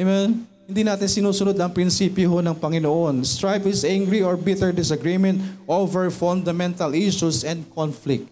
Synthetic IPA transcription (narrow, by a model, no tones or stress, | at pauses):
ɛmɛn | hɪnd̪iːnaːt̪ɪnsɪnuːsʊnod̪ɐŋpɾɪnsiːpjoɦonɐŋpɐŋɪnoʔonst̪ɹajpɪsʔaŋɡɹiɔɹbɪt̪ɛɹd̪ɪsɐɡɹimɛ̃nt̪ʔovɛɹfɔ̃nd̪ɐmɛ̃nt̪ɐlʔiʃusɛ̃nd̪̚kʰɔnflɪk̚t̪̚